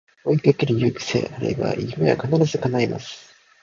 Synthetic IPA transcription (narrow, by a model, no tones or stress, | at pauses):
oikekiɾijɯːkʲi̥sḛʔaɾɯ̰iba̰ʔiimeβa̰kanaɾazɨkanaima̰sɨ̥